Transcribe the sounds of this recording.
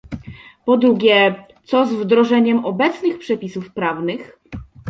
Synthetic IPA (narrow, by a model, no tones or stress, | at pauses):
pɔd̪ɾuɡʲjɛ | t̪sɔzvd̪ɾɔʐɛɲɛmɔbɛt̪snɘxpʂɛpʲisufpɾavnɘx